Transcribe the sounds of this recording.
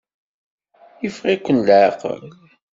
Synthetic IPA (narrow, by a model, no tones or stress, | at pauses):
jəfʁikʷːənlʕɑqə̰l